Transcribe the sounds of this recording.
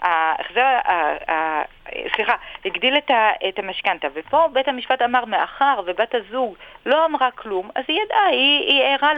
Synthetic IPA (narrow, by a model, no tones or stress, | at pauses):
aḛχzeaa | sliχahiɡdiletaethamaʃkantavepo̞bethamiʃpatamaʁmeʔaχaʁvebatazuɡlo̞amʁaklumazijadaiieʁa